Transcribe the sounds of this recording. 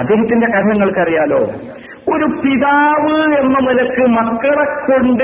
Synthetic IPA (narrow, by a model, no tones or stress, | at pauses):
ɐd̪ːeːɦɐt̪ːinde̞kɐt̪ʰɐŋːɐɭkɐrijaːlo̞̰ː | oɾupiðaːʋɨe̞nːɐmɐlɐkːɨmɐkːɐɭɐkːo̞ɳɖ